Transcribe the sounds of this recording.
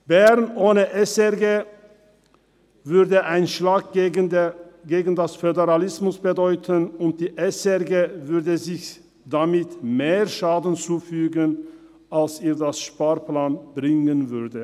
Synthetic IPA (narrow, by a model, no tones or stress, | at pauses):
b̥ɛʁnʔoːnəʔɛsɛɡeː | vʏɐdəʔaɪnʃlaːk̚ː | ɡeːɡn̩dasfødeʁalɪsmʊsb̥ədɔʏtʰənʊnt̚d̥iːʔɛsɛʁɡeːvʏɐdəzɪç | d̥amɪtmeːɐʃaːdn̩t͡suːfyːɡən | ʔalseːɐdasʃpaːɐplaːnbʁɪŋənvʏɐdə